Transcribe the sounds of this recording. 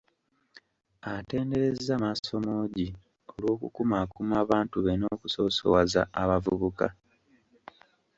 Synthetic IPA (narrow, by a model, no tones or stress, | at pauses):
ate̞ːnde̞ɾe̞zamaso̞moːɟi | olwo̞ːkukumaːkumaːβaːntuβenoːkuso̞so̰wazaaβavuβuka̰